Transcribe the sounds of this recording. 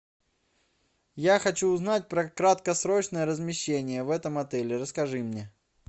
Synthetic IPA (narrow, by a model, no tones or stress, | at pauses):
jaxɐt͡ɕuːznat̚ʲpɾəkɾat̪kəsɾot͡ɕnəjəɾəzmʲɪɕːenʲɪjəvɛt̪əmɐt̪ɛlʲɪɾəskɐʐɨmnʲe